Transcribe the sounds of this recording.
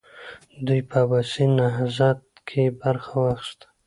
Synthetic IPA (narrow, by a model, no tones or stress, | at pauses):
d̪ujpʰabasinaɦzɑt̪̚ | kʰebaɾxawaxst̪ḁ